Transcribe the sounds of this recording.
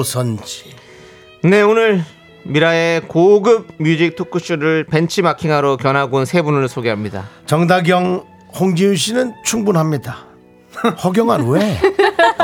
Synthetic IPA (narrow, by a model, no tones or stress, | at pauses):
sʰʌnd͡ʑi | ne̞onɯɭ | miɾaekoɡɯb̚mjud͡ʑik̚tʰokʰɯɕ͈ʰuɾɯɭpe̞nt͡ɕʰimakʰiŋɦaɾokjʌnɦaɡonsʰe̞bunɯɭsʰoɡeɦamɲida̰t͡ɕʌŋdaɡjʌŋ | hoŋd͡ʑiuɕ̬ʰinɯnt͡ɕʰuŋbunɦamɲida | hʌɡjʌŋaɾwe